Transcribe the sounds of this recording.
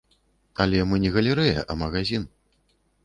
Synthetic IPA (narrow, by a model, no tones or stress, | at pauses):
alʲɛmɨnʲɛɣɐlʲɛɾɨjɐ̰ʔɐmɐɣazʲin